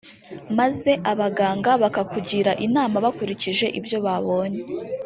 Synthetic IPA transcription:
maze̞ʔaβaɡaːŋɡaβakakuɟiɾaʔinaːmaβakuɾiciʒe̞ʔibjo̞βaβo̞ːɲee

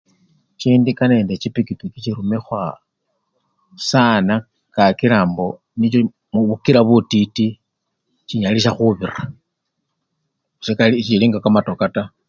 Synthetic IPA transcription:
t͡ʃiːndikane̞ːndet͡ʃipikipikit͡ʃiɾumexwa | sana | kakiɾaːmbo̞ | nit͡ʃo | muβukiɾaβutiti | t͡ʃiɲaliʃ̬axuβira | sekalit͡ʃiliːŋɡakamatokata

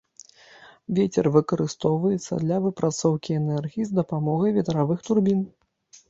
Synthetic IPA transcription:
vʲɛt͡sʲɛrvɨkɐɾɨst̪ɔwvɐjɛt̪sːɐ̰d̪lʲɐvɨpɾʔat̪sɔwkʲiɛnɛrɣʲiizd̪ɐpamɔɣɐjvʲɛt̪ɾavɨxt̪urbʲin

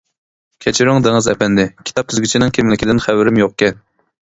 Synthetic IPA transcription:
kʲʰɛt͡ʃʰiɾyŋd̪ɪŋɨzɛ̰pɛnd̪ɪkʲʰi̥t̪ʰɑp̚t̪ʰyzɡʲit͡ʃʰinɨŋkʲʰemlɪkʲid̪ɪnχæwɪɾɪmjoqkʲɛn

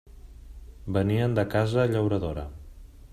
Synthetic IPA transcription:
bəniənd̪əkazəːʎəwɾəðoɾə̰

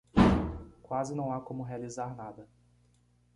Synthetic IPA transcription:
kwazɪnɐ̃w̃akõmʊɦealizaɾnad̪ɐ

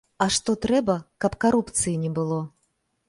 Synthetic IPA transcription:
ɐʂt̪ɔt̪ɾɛbɐkɐpkaɾupt̪sɨjinʲɛbɨlˠɔ

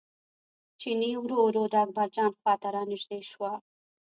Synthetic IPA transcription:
t͡ʃiniwɾoɾod̪əak̚baɾd͡ʒɑnxwɑt̪aɾɑnɪʒd̪ejʃwa

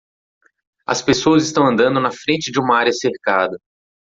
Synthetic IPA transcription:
ɐ̰spesoɐzist̪ɐ̃w̃ɐ̃nd̪ɐ̃nd̪ʊnɐfɾẽnt͡ʃɪd͡ʒɪũmɐaɾjɐseɾkad̪ɐ

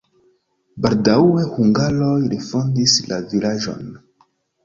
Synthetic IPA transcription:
baldawehuŋɡalo̞jɾifo̞ndislavilaʒo̞̰n

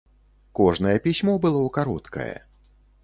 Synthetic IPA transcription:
kɔʐnɐjɛpʲisʲmɔbɨlˠɔwkaɾɔt̪kɐ̰jɛ̰

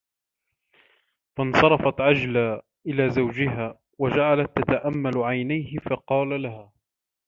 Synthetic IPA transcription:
fansˤɑɾˤɑfɑt̪ʕad͡ʒlaː | ʔɪlaːzawd͡ʒɪɦaː | wad͡ʒaʕalat̪ːat̪aʔamːalʕajnajhɪfɑqɑːlalahaː

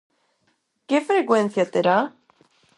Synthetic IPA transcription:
kefɾekwen̟θjat̪eɾa

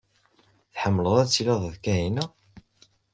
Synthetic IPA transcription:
θħəmːələðˤæt͡sːilɑðˤðkæɦinæ

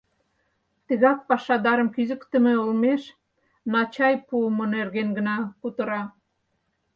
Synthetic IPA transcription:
t̪əɣɑk̚pɑʃɑd̪ɑɾəmkyzəkt̪ə̆mĕolmeʃ | nɑt͡ɕɑjpuəmə̆nerɣenɡə̆nɑkut̪əɾɑ

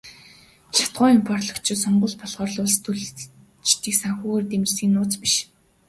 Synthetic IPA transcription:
t͡ɕʰḁt̪ɢʊːimpʰɔrtɮɞ̆kt͡ɕʰiːsɔɴɢʊ̆ɮpɔɮʁɔːrɮʊːɮst̪ʰɵɮ | t͡ɕt̪iːksaŋxuːrt̪emɘ̆rsiːnːʊːt͡spiʃ

